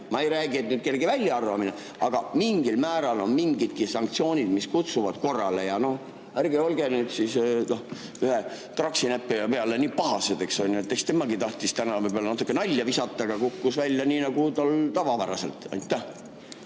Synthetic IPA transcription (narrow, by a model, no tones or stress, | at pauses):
mɑejɾæːɡiet̪ːnyːd̪̥̚ke̞lɡivælʲːjɑɑrvɑmine | ʔɑɡ̥ɑmiŋɡilmæːɾɑlo̞nmiŋɡid̪̥̚kisɑŋkt̪sio̞ːnʲid̪̥miskut̪suvɑd̪̥ko̞rːɑle̞jɑno̞h | ærɡio̞lɡenyːd̪̥sisno̞h | yhe | t̪rɑksinæpːipe̞ɑle̞niːpɑɦɑsed̪e̞kso̞nʲnet̪ˑːe̞kst̪emɑɡit̪ɑht̪ist̪ænɑvɤbolenɑt̪ːˑukːˑenɑlʲːjɑvisɑt̪ːˑɑɡ̥ɑkukːusvælʲːjɑniːnɑɡ̥ut̪ɑlt̪ɑvɑvæɾɑse̞lt̪ɑ̰jt̪ːæh